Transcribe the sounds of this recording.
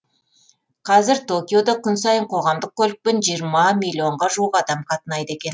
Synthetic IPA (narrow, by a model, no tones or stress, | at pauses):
qʰɑzɪɾt̪ʰo̞kʲiod̪ɑkʲʰʏnsɑjəɴqʰo̞ʁɑmd̪əq̚kʲʰɵlɪk̚pɪnʒijəɾmɑmʲijlʲːio̞ɴʁɑʒuəqɑd̪ɑmqʰɑt̪ənɑjt̪əe̞kʲe̞n